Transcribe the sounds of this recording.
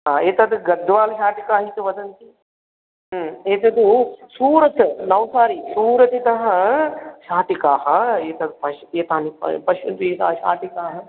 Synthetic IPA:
ɦaːeːt̪ɐd̪ɨɡɐd̪ʋaːlɐʃaːʈikaːɦit̪uʋɐd̪ɐnt̪i | eːt̪ɐd̪usuːɾɐt̪ɨnɐʋsaːɾisuːɾɐt̪it̪ɐɦɐʃaːʈikaːɦɐeːt̪ɐd̪upɐʃeːt̪aːnipɐ̰pɐʃɐnt̪ueːt̪ɐ̰ʃa̰ːʈikaːɦɐ

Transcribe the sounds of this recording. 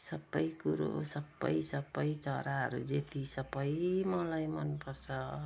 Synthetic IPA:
sʌbʌjkuɾo̰sʌbʌ̰jsʌbʌjt͡sʌɾaɦʌ̰ɾud͡zet̪isʌbʌjmʌlajmʌnpʌrt͡sʰʌ

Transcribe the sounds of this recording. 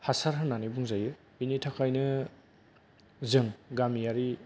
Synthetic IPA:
hasaɾɦɯnːanibuŋzajɯ | binitʰakʰajnɯ | zɯŋɡamijaɾi

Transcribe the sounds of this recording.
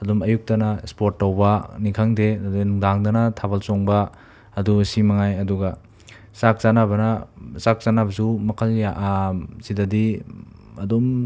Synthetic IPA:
ɐdumɐjuk̚tɐnɐspoɾtːɐwbɐnikʰaŋdenuŋdaŋdɐnɐtʰabɐlsoŋbɐː | dusimɐŋajɐduɡɐ | sak̚sanabɐnɐsak̚sanabɐsumɐkʰɐljaʔsidɐdi | ɐdum

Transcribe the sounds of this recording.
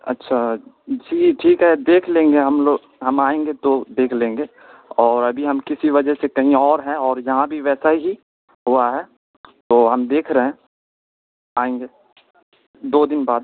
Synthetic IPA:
ɐ̰tːʃʰa | d͡ʒiːʈʰiːkɦɛd̪eːkʰlẽːŋɡeɦɐmloːɡ | ɦɐmaːẽːŋɡet̪od̪eːkʰlẽːŋɡeː | ɔːɾɐbʱiɦɐmkɪsiʋɐd͡ʒəsekɐɦĩɔːɾɦɛɔːɾjɐɦãbʱiʋɛːsaiɦi | ɦuaɦɛː | t̪oːɦɐmd̪eːkʰɾɐɦẽ | aːẽːŋɡeː | d̪oːd̪ɪnbaːd̪̚

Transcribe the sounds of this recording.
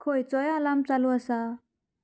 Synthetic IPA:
kʰojt͡sɔjalamt͡saluasa

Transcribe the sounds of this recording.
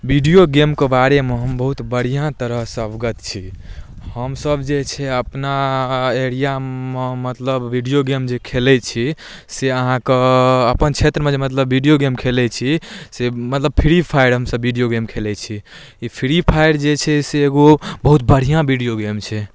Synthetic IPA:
biɖijoɡemkebaɾemeɦəmbəɦut̪bəɽ̤ijãt̪əɾəɦsəbɡət̪t͡ʃʰi | həmsəbd͡ʒet͡ʃʰɛəpnaeɽijamemət̪ləbːiɖijoɡemd͡ʒekʰelɛt͡ʃʰi | seəɦãkeəpənt͡ʃʰet̪ɾəmed͡ʒemət̪ləbːiɖijoɡemkʰelɛt͡ʃʰisemət̪ləb̚pʰiɾipʰaiɽɦəmsəbːiɖijoɡemkʰelɛt͡ʃʰi | ipʰiɾipʰajɽd͡ʒet͡ʃʰɛseːɡobəɦut̪bəɽ̤ijãbiɖijoɡemt͡ʃʰɛ

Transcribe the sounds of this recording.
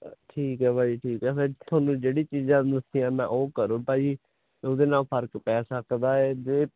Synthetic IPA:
ʈʰiːkɦɛːpaːiːʈʰiːkɦɛːpʰɪɾt̪ʰʊaːnũːd͡ʒeːɽiːt͡ʃiːzãːd̪əsijãːmɛ̰̃ːʔoːkəɾõːpaːiː | oːd̪eːnãːpʰəɾkpɛːsəkd̪aːɛːd͡ʒeː

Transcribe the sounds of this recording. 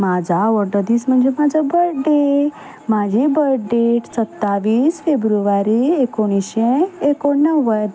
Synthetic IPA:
mad͡ʒaʋɔɾɖ̪əd̪ismə̃nd͡ʒomad͡ʒabəɾɖe | mãd͡ʒibəɖeʈsət̪ːaʋisfebɾuʋaɾiekoniʃeekonəʋːə

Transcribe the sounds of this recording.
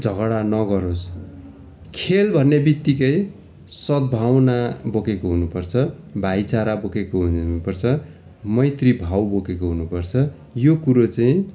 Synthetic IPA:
d͡zʱʌɡɽanʌɡʌɾos | kʰelbʱʌnːebit̪ːikʌj | sʌd̪̚bʱawnabokekoɦunupʌrt͡sʰʌ | bʱajt͡saɾabokekoɦuupʌrt͡sʰʌ | mʌjt̪ribʱawbokekoɦunupʌrt͡sʰʌ | jokuɾot͡saĩ

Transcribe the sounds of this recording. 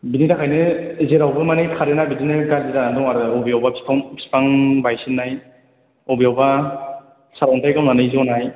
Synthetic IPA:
binidakʰajnɯzeɾawbɯmanɯkʰaɾɯnabidinɯɡazizanandɔŋaɾɯɔbijawbapʰi̥pʰapʰi̥paŋbajsinːaj | ɔbijawba | saɾɔntʰajɡawnanɯjzonaj

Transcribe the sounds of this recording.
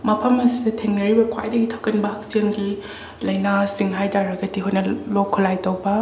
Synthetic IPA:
mɐpʰɐmɐsidɐtʰeŋnɐɾibɐkʰwa̰jdɐɡitʰokɐnbak̚senɡi | lɐjnasiŋɦajdaɾɐɡɐdiɦojnɐlokʰːolajtɐwbɐ

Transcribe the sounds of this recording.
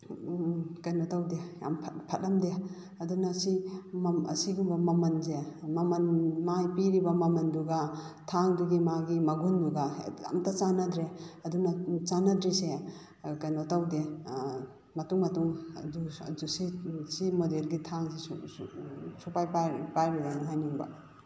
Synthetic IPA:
kɐjnotawdeja̰mpʰt̚pʰɐt̚lɐmde | ɐdunasimɐ̰siɡumbɐmɐmɐnzemɐmɐnmajpiɾibɐmɐmɐnduɡatʰaŋduɡimaɡimɐɡunduɡaja̰mtat͡ʃanɐdɾeɐdunat͡ʃanadɾise | kajnotawde | mɐtuŋmɐtuŋuzusisimodelɡitʰaŋzeu | supajpapajbijanɦajniŋbɐ̰

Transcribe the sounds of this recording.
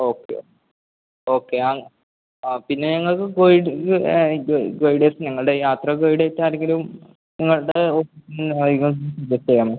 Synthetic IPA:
o̞ːkːḛ | o̞ːkːe̞aːŋ | apinːe̞ɲɐŋːɐɭkɨɡojiɖ | oɡojiɖeːsɨɲɐŋːɐɭɽejaːt̪rɐɡojɖejtːaːɾeŋɡilum | niŋːɐɭɽeofisinnaðiŋɐɭsid͡ʑɐɐjaːmo

